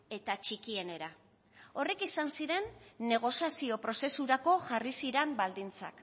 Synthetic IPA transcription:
e̞t̪at͡ʃikie̞ne̞ɾa | o̞rekisansiɾe̞nːe̞ɣ̞o̞siasio̞pɾo̞se̞suɾako̞ʝarisiɾe̞mbald̪int͡sa̰k

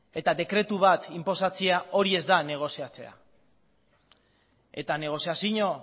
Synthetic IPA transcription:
e̞t̪aðe̞kɾe̞t̪uβat̪impo̞sat͡siao̞ɾie̞zd̪ane̞ɣ̞o̞siat͡se̞̰a̰ | e̞t̪ane̞ɣ̞o̞siasiɲo̞

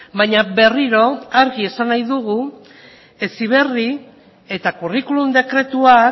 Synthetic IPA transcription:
baɲabe̞riɾo̞aɾɣie̞sanajðuɣu | e̞siβ̞e̞ri | e̞t̪akurikulumd̪e̞kɾe̞t̪ua

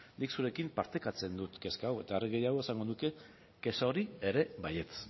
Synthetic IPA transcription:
niksuɾe̞kimpaɾt̪e̞kat͡se̞nd̪ut̪ke̞skawe̞t̪aereɣe̞jaɣ̞o̞esaŋɡo̞nuke̞ | ke̞saoɾieɾe̞βaje̞t͡s

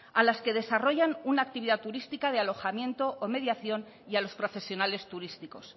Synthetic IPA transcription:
alaske̞ð̞e̞saro̞ʝanunaːk̚t̪iβiðat̪uɾist̪ikað̞ealo̞xamjẽ̞nt̪o̞ʔome̞ðjaθjo̞n | ialo̞spɾo̞fe̞sjo̞nale̞st̪uɾist̪iko̞s

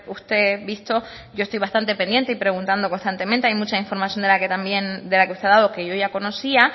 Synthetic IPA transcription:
ust̪e̞βist̪o̞ | ɟ͡ʝo̞est̪ojβast̪ant̪e̞pe̞nd̪je̞nt̪eipɾe̞ɣunt̪and̪oko̞nst̪ant̪e̞mẽnt̪e̞ajmut͡ʃaiɱfo̞ɾmasjond̪elaket̪ambje̞nd̪e̞lakeust̪eaðaðoke̞ʝo̞ʝako̞no̞sia

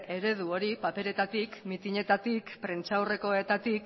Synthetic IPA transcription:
e̞ɾe̞ð̞uo̞ɾipape̞ɾe̞t̪at̪ikmit̪iɲe̞t̪at̪ikpɾe̞nt͡ʃawre̞ko̞e̞t̪at̪ik̚

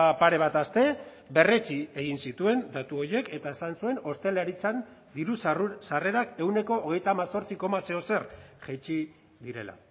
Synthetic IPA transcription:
paɾe̞β̞at̪ast̪e̞ | be̞re̞t͡sie̞ɣ̞insit̪ue̞nd̪at̪uo̞ɾje̞ke̞t̪aesansue̞no̞st̪e̞leɾit͡san | d̪iɾusare̞ɾake̞wne̞ko̞ːɣ̞e̞jt̪aːmaso̞ɾt͡siko̞mase̞o̞se̞rʝet͡ʃi | ðiɾe̞̰la̰

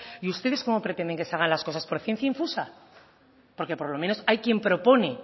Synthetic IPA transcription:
iust̪e̞ðe̞sko̞mo̞pɾe̞t̪end̪eŋkeseaɣ̞anlasko̞saspo̞ɾθjen̟θjaĩɱfusa | po̞ɾke̞poɾlo̞mẽ̞no̞sajkje̞mpɾo̞po̞ne̞

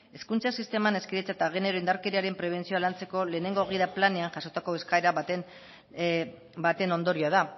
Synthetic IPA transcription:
e̞skunt͡sasist̪e̞mane̞skeɾet͡sat̪aɣ̞e̞ne̞ɾo̞ind̪aɾkeɾiaɾe̞mpɾe̞β̞e̞nt͡sio̞alant͡se̞ko̞le̞ːne̞ŋɡo̞ɣiðaplane̞anʝaso̞t̪ako̞e̞skaeɾa | bat̪e̞no̞nd̪o̞ɾioað̞a

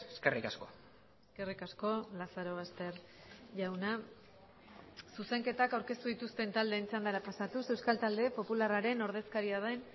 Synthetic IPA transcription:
eskerikasko | eske̞rikasko̞lasaɾo̞ɣ̞ast̪e̞ɾ | ʝawna | suse̞ŋke̞t̪akawɾke̞st̪uð̞it̪ust̪e̞nt̪ald̪e̞ːnt͡sand̪aɾapasat̪use̞wskalt̪ald̪e̞po̞pularaɾe̞no̞ɾð̞e̞skaɾiað̞en

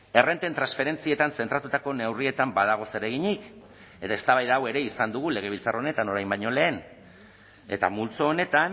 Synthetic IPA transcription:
e̞re̞nt̪e̞nt̪ɾansfe̞ɾe̞nt͡sie̞t̪anse̞nt̪ɾat̪ut̪ako̞ne̞wrie̞t̪ambaðaɣ̞o̞se̞ɾe̞ɣ̞iɲik | e̞t̪ae̞st̪aβajðaːwe̞ɾe̞isand̪uɣ̞ule̞ɣe̞β̞ilt͡sarone̞t̪ano̞ɾajmbaɲo̞le̞ːn | e̞t̪a̰mult͡soːne̞t̪an

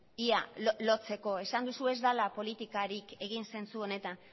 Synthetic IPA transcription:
ia̰lo̞t͡se̞ko̞e̞sand̪usue̞zd̪alapo̞lit̪ikaɾike̞ɣ̞inse̞nt͡suo̞ne̞t̪an

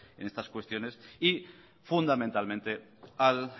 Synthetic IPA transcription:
ḛnest̪askwe̞st̪jo̞ne̞si | fund̪amẽnt̪almẽnt̪e̞ | al

